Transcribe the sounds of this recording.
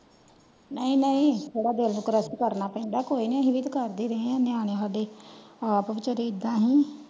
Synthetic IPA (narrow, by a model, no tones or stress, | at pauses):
nəĩːnəĩːd͡ʒeːɽaːd̪eːlːʊkɾəskəɾnaːpɛ̃ːɳɖ̪aːkoːiːneɦiʋit̪kəɾd̪iːɾəɦẽãːnɪaːɽ̃eːɦaːd̪eːapəʋɪt͡ʃəɾeːɪd̪ãːɦĩː